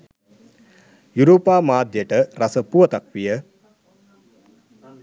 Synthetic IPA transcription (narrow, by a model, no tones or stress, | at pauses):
juɾoːpaːmaːd̪jəʈəɾasəpuʋɐt̪akʋijə